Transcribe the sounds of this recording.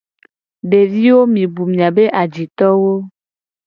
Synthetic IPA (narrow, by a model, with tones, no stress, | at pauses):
ɖe˨vi˦wo˦mĩ˨bu˨mĩ˨a˨be˦ʔa˨d͡ʑi˨t̪ɔ˦wo˦